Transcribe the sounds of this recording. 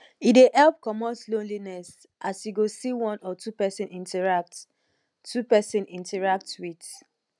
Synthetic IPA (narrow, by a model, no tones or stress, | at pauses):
ideʔɛlp̚kɔmɔslõnlinɛs | ʔasjiɡosiwɔ̃nɔtʰupɛsɛ̃nʔĩntɛɹak̚t | tːupɛsɛ̃nĩntɛɹak̚twit